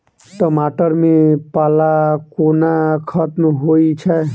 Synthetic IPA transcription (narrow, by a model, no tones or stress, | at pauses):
ʈɔmaʈəɾmepalakonakʰət̪mɦoit͡ʃʰɛ